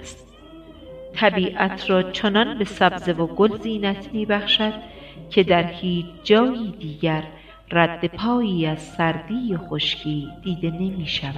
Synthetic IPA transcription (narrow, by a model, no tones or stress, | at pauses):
st | t̪ʰæbiːʔæt̪ʰɾɒːt͡ʃʰonɒnbe̞sæbze̞voɡolziːnæt̪ʰmiːbæχʃæd̪̥cʰe̞d̪æɾhiːt͡ʃʰd͡ʒɒːjiːd̪iːɟæɾ | ræd̪ːe̞pʰɒːjiːæz̥sæɾd̪iːjexo̞ʃcʰiːd̪̥iːd̪e̞ne̞miːʃævæ̥